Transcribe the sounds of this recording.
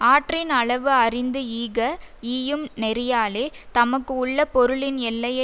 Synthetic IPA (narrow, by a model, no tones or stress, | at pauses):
aːʈrɪnɐɭɐʋɯɐrɪnd̪ɯiːɣɐiːjɯmnɛɾɪjaːleːt̪ɐmɐkːɯʊɭːɐpɔɾɯɭɪnɛlːɐjɐ